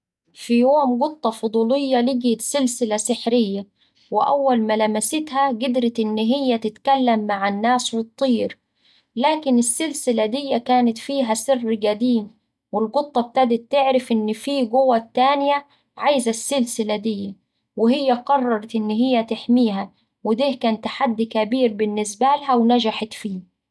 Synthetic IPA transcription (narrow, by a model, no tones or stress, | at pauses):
fijoːmɡʊt̪ˤːɑfʊd̪ˤuːlɪjːɑlɪɡt̪sɪlsɪlasɪħɾɪjːa | wɪʔa̰wːalmalamasɪt̪haɡɪd̪ɾɪt̪ʔɪnːɦɪjːat̪ɪt̪kalːamːaʕanːaːswɨt̪ˤːiːɾ | laːkɪnɪsːɪlsɪlad̪ɪjːakaːnɪt̪fiːɦasɪrːɡad̪iːm | wɪlɡʊt̪ˤːɑb̚t̪ad̪ɪt̪ːɪʕɾɪfʔɪnːfiːɡʊwat̪ːaːnɪja | ʕajzasːɪlsɪlad̪ɪjːa | wɪhɪjːaqɑrˤːɑɾˤɑt̪ʔɪnːɦɪjːat̪ɪħmiːɦa | wɪd̪iːhkaːnt̪ːaħad̪ːikabiːɾbɪnːɪsbalɦawnad͡ʒaħat̪fiː